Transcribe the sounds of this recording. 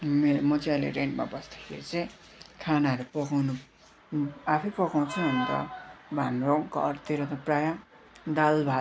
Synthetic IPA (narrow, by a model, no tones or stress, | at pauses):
meɾmʌt͡siʌlḛɾeɳʈma̰bʌsd̪ʌ̥kʰḛɾit͡sʌ̃j | kʰanaɦʌɾupʌkawnu | apʰʌpʌkaw̃t͡sʰuʌnt̪ʌ̰bʱanroŋkʌrt̪eɾʌt̪ʌprajã | d̪albʱa